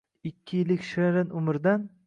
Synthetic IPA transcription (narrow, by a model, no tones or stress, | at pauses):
ɪkʲʰːɪjɪlːɪkʲʃeɾɪnʊmɪɾd̪an